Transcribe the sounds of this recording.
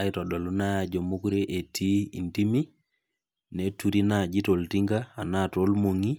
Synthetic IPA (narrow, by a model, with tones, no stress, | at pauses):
a˨jto˨ɗo˨lu˦na˦a˨d͡ʒo˨mu˦kɾe˦ʔe˨tʰi˦ḭ˨nti˦mi˦ | ne˨tu˨ɾi˦nad͡ʒi˦to˨ltiŋɡaː˦˨na˦to˦lmo˨ŋi˦